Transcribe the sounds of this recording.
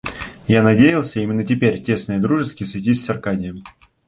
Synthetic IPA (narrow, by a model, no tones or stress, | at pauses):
janɐdʲejɪlˠsʲəimʲɪnːətʲɪpʲeɾʲtʲe̞snəjəd̪ɾuʐɨst̪̚kʲɪsvʲɪtʲisʲsɐrkadʲɪjəm